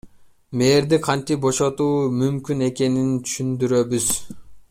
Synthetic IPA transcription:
me̞ːɾd̪iqʰɑnt̪ip̚bo̞ʃot̪uːmymkʲyne̞ke̞nint̪ʰy̥ʃynd̪yɾø̞byz̥

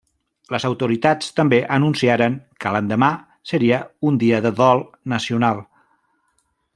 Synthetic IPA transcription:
ləzəwt̪uɾit̪at͡st̪əmbeʔənunsiaɾəŋkələnd̪əma | səɾiəund̪iəðəðɔlˠ | nəsiunalˠ

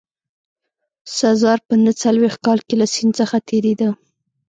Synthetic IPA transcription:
sazɑɾpənət͡salwext̪̚kɑlkelasint͡səxat̪ʰeɾed̪a

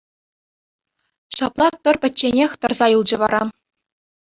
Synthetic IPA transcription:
ɕɑplˠɑt̪ːɤ̆rpʲɘ̆ːenʲexʲt̪ɤ̆rzɑjɯlˠd͡ʑɤ̆ʋɑɾɑ

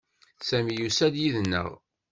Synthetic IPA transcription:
sæmijusæd̪jiðənːə̰ʁ

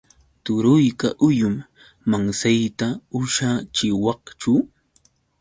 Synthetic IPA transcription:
t̪ʊɾʊjkaʔʊjʊmː | aŋsajt̪aʊʃat͡ʃɪwɑqt͡ʃu

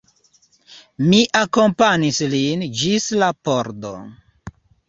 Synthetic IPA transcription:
miʔako̞mpanislind͡ʒislapoɾdo̰

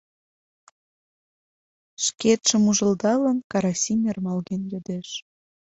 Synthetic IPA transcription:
ʃket̪ʃəmuʒəld̪ɑlənkɑɾɑsʲimʲermɑlɣenjød̪eʃ

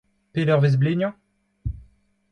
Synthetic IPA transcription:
pelœʁvez̬bleɲjɑ̃

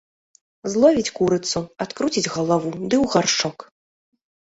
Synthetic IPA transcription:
zlˠɔvʲit͡sʲkuɾɨt̪sːuat̪kɾut͡sʲid͡zʲɣɐlˠavud̪ɨwɣarʂɔk

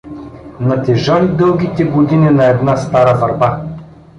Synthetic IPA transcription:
nɐt̪ɛʒalid̪ɤlˠɡʲit̪ɛɡod̪ininɐɛd̪nast̪aɾəvɐɾba

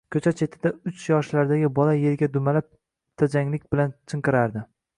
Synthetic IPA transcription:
kʲʰɵt͡ʃʰat͡ʃʰe̞t̪ʰɪd̪aʊt͡ʃʰjɒʃlaɾd̪aɡʲɪbɒlaje̞ɾɡʲad̪ʊmalap̚ | t̪ʰad͡ʒaŋlɪkʲbɪlant͡ʃʰɨɴqɨɾaɾd̪ɪ

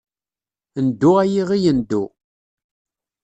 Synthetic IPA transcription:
nd̪ːuæjiʁijənd̪ːu

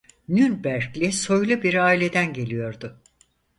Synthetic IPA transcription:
nynbæɾclʲɛso̞jlˠubiɾaːilʲe̞d̪ænɟe̞lʲijo̞ɾd̪ʊ

